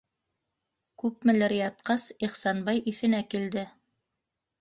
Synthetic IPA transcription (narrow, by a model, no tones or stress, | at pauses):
kʉp̚mɘ̆lɘɾjɑt̪̚qɑsiχsɑnbɑjʔiθɘ̆nækild̪ɘ